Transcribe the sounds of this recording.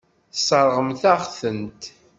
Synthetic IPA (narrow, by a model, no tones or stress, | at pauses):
θsˤəɾˤʁəmθæʁθənt̪